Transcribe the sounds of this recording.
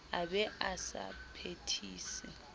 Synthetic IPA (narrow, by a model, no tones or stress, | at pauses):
abɛʔasa̰pʰetʰiːsi